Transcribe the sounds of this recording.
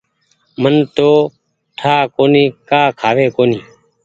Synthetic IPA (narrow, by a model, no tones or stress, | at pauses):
mənt̪oː | ʈʰaːkoːniːkaːkʰaːʋeːkoːniː